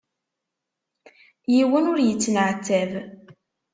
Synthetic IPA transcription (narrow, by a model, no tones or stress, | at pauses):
jiwənʊɾjət͡sːnəʕt͡sːæv